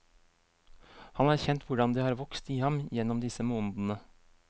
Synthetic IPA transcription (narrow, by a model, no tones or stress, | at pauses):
hɑnæːɾçɛnt̪ʋʊɖɑnd̪iːhɑːɾʋɔkst̪iːhɑmjɛnːɔmd̪ɪsəmoːnd̪n̩ə